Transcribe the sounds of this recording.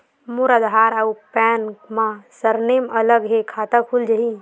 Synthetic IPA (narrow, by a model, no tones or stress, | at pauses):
mʊɾəd̪ɦaːɾaupɛːnkmãsəɾneːmɐləɡɦekʰaːt̪akʰuld͡ʒəɦi